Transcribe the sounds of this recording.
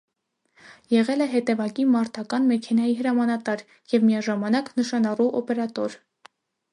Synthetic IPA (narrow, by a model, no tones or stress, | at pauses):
jɛʁɛlɛɦɛt̪ɛvɑkimɑɾt̪ʰɑkɑnmɛkʰɛnɑjiɦəɾɑmɑnɑt̪ɑɾ | jɛvmijɑʒɑmɑnɑknəʃɑnɑruʔɔpɛɾɑt̪ɔɾ